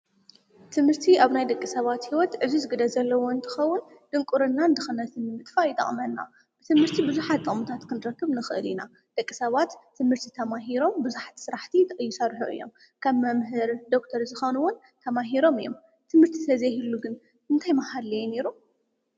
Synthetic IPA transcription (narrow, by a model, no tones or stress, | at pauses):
t̪ʰɨmhɨɾt̪ʰiʔaβnajd̪ɐkʼːisɐβat̪hiwɔt̪ʕɨzuzɨɡɨd̪ɐzɐlːɐwoɨnt̪ʰɐ̥xɐwːʊn | d̪̥ɨŋkʼuɾɨnːaɨnd̪ɨxɐnɐt̪ɨnmɨt̪ʼfajɪt̪ʼɐ̰χʼmɐnːa̰ | b̥ɨt̪ʰɨmhɨɾt̪ʰibɨzuħat̪t̪ʼːɨʔʼmut̪ʰat̪kʰɨnd̪ɨɾɐkːɨβnɨxɨʔɨ̰lina | d̪̥ɐkʼːisɐβat̪ʰːɨmhɨɾt̪ʰit̪ʰɐmaɦiɾo̞mbɨzuħḁt̪sɨɾaħt̪ʰit̪ʰɐjːɪsɐɾħoʔɨ̰jːo̞m | kʰɐβmɐmɦɨɾd̪o̞kt̪ʰɐɾzɨxonuwʊn | t̪ʰɐmaɦiɾo̞mɨjːom | t̪ʰɨmhɨɾt̪ʰit̪ʰɐzɐhilːuɡɨn | ɨnt̪ʰajmahadlɐjne̞ɾu